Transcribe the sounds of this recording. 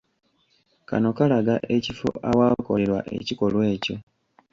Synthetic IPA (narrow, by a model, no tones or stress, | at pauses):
ka̰no̞kalaɡaʔecifo̰ʔawaːko̞le̞ɾwa̰ʔe̞̰ciko̞lwe̞ːco̞